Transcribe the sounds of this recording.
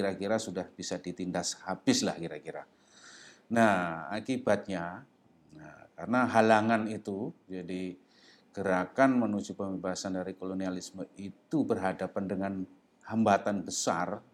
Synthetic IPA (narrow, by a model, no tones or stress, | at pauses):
kiɾakiɾasudahb̥isadit̪indashabɪsla̰hkiɾakiɾa | nahakibat̪̚ɲa | karənaɦalaŋanit̪ud͡ʒadi | kəɾakanmənud͡ʒupəmebaɦasandaɾikolonialisməit̪ubərɦadapandəŋan | hambat̪anbəsa̰r